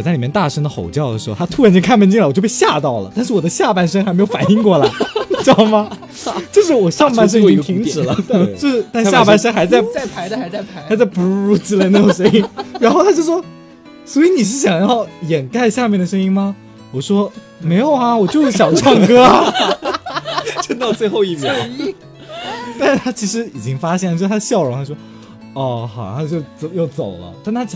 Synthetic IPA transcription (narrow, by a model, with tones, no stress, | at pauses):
ɔ˨˩t͡sa˥˩li˩jɛ˥nt̪a˥˩ʂə˥ŋd̪ə˨˩xo̰˨˩ʊt͡ɕjɑ˥˩ʊə˩ʂɻ̩˧˥xo˥˧˩t̪ʰa˥t̪ʰu˥ɻa˧˥nt͡ɕo˥˧kʰa˥˩npə˥nt͡ɕi˥˩ŋə˨wɔ˨˩t͡ɕjʊpe˥˧ɪɕja˥˧t̪ɑ˥˩ʊlə̰˩t̪a˥˧nʂɻ̩˥˩wɔ˨˩d̪ə˦ɕja˥˩pa˥˩nʂə˥ŋxa˧˥m˧˥jo˨˩fa˨˩ni˥˧ŋkwɔ˥˩la˧˦ɪt͡ɕjma˥ | t͡ɕjo˥˧ʊʂ̬ɻ̩˥˩wɔ˨˩ʂɑ˥˧ŋpa˥˧nʂ̬ə˥ŋi˥ŋt̪ʰi˧˥ŋɻ̩˨˩t͡ɕjo˥˧ʊʂɻ̩˥˩t̪a˥˧nɕa˥˧pa˥˧nʂə˥ŋxa˧˥ɪt͡sa˥˧ɪ˥˧˥xa˧˥t͡sa˥˩ɪpu˧˥ɻu˧˥t͡s̩˧˩le˧na˥˩ʈ͡ʂo˨˩ŋʂɤ˥ŋi˥ŋɻa˧˥nxo˥˩ʊt̪ʰa˥t͡ɕjo˥˧ʊʂwɔ˥ | swɔ˧˥i˧˥ni˨˩ʂ̬ɻ̩˥˩ɕjɑ˨˩ŋjɑ˥˩ʊjɛ˨˩nka˥˧ɪɕja˥˧mjɛ˥˩nd̪ə˩ʂ̬ɤ˥ŋi˥ŋmɐ˧ | wɔ˨˩ʂwɔ˥ | me˧˥ɪjo˨˩ʊɐ˧wɔ˨˩t͡ɕjo˥˧ʊʂɻ̩˥˩ɕjɑ˨˩ʊʈ͡ʂʰɑ˥˩ŋkɤ˥a˩ | t͡ɕo˥˧t̪t͡swe˥˧ɪxo˥˧ʊi˥˩mjɛ˧˥ | t̪a˥˩n˩t̪ʰa˥t͡ɕʰi˧˥ʂɻ̩˧˥i˨˩t͡ɕi˥ŋfa˥ɕ̬jɛ˥˩n˨o˥˧˥t̪ʰə˧ɕjɑ˥˩ʊɻʊ˧˥ŋt̪ʰa˥˩ʂwɔ˥ | ɔ˥˩xɑ˨˩˥t͡ɕjo˥˩ʊt͡sjo˥˩ʊt͡so˨˩ʊlə̰˦t̪a˥˩nt̪ʰa˥